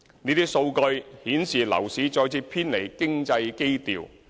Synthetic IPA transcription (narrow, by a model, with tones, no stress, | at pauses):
niː˥t̪i˥so˧wkɵ˧ɥhiː˨˥nsiː˨˩lɐ̰˨˩wsiː˨˥t͡sɔː˧jt͡siː˧pʰiː˥nle˨˩jkɪ˥ŋt͡sɐ˧jke˥jt̪ḭː˨w